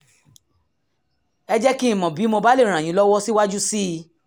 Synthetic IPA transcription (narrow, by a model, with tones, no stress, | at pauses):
ɛ˧d͡ʒɛ˦kĩ˦ĩ˦˨mɔ̃˨bi˨˦mõ˧ba˦le˦˨ɾ̃ã˨j̃ĩ˨˦lɔ˦wɔ˦si˦wa˦d͡ʒu˦si˦˧